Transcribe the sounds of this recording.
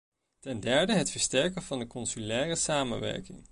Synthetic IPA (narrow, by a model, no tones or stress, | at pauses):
tɛndɛɹdəɦətfəɹstɛɹkənvɑndəkɔnsylɛːrəsaːmə̰nʋɛ̰ɹkɪ̰ŋ